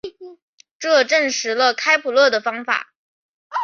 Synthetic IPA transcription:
ʈ͡ʂɤ˥˧ʈ͡ʂə˥˩ŋʂɻ̩˧˥lə˧kʰa˥ɪpʰu˨˩lɤ˥˩d̪ə˩fɑ˥ŋfa̰˨˩˦

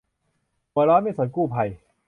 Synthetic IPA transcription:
u˧˩ɐəlɔː˦˥nma˥˩so˨˩˦nkuː˥˩pʰa˧j

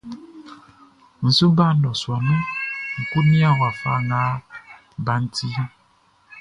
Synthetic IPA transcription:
n̩˨su˦ba˦˨˦nɔ˨swa˨nu˦ŋ̩˨ku˦ni˦a˦wa˨fa˦˨ŋa˨˦ | ba˨˦n̩˦ti˦

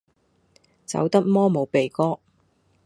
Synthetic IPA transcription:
t͡sɐ̰˨˥wt̪ɐ˥k̚mɔː˥mo˨˧wpe˨jkɔː˥

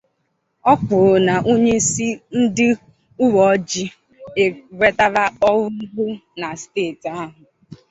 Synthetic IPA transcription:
ɔ˦kʊ˨na˨ʔo˦ɲe˦si˦n̩˦dɪ˦ | ʊ˦wɔ˨˦d͡ʒi˦ | e˨ɾʷe˦ta˦ɾa˦ɔ˦wʊ˦ɡu˦na˨steː˦˨ta˦ɦʊ˨

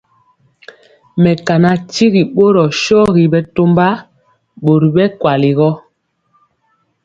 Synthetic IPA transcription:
mɛ˨ka˨na˨ti˦ɣi˨ɓo˦ɾɔ˨ʃɔː˦ɣi˨bɛ˦to˦mba˦ | ɓo˨ɾi˨ɓɛ˦kwa˨li˨ɣɔ˦

